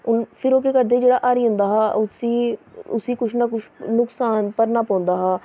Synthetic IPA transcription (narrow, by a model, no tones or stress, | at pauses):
ʊnpʰɪɾoːkeːkəɾd̪eːd͡ʒeːɽaːʔaːɾiːɦʊ̃ːnd̪aːɦaːʊsiːʊsiːkʊʃʰnaːkʊʃnʊksaːnpəɾnaːpãːnd̪aːɦaː